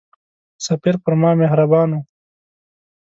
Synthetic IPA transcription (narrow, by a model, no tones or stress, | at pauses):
sɐpiɾpəɾmɑːmehɾabɑːnu